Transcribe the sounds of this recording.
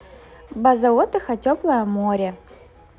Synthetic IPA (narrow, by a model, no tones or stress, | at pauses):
bɐzɐot̪ɨxɐtʲoplˠɐjɐmoɾʲə